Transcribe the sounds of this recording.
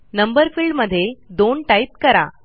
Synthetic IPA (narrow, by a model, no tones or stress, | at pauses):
nəmbəɾfiɭɖməd̪ʱːjed̪oɳʈait̪̚kəɾa̰